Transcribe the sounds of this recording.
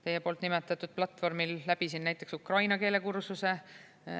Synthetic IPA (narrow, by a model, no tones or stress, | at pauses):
t̪e̞jepo̞ːlt̪ˑnimet̪ːˑɑt̪ːˑud̪̥̚plɑt̪ːˑvo̞rmilːæb̥isinːæjt̪ːˑe̞ksukrɑjnɑke̞ːle̞kuɾsuse̞